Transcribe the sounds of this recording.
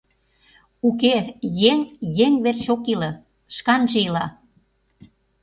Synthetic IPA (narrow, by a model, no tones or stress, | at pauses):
ukejeŋjeŋβert͡ɕokilɤ̆ | ʃkɑnʒeilɑ